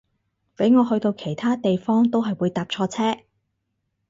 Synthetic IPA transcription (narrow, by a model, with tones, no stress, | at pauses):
pe˨˥jŋɔː˨˧ɦɵ˧ɥt̪o˧wkʰe˨˩jt̪ʰaː˥t̪e˨jfɔː˥ŋt̪o˥wɦɐ˨jwuː˨˧jt̪aː˨˧p̚t͡ʃʰɔː˧t͡sʰɛː˥